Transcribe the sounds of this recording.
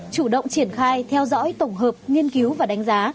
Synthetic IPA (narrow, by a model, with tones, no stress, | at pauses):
t͡ɕu˧˩ɗə̰˧˨wŋ͡mt͡ɕi˧˩ənxaː˧jt̪ʰɛ˧wzɔ̰˧˥jt̪ə˧˩wŋ͡mɦəː˨˩p̚ŋi˧ənki˨˦wvaː˨˩ɗa˨˦ŋ̟zaː˨˦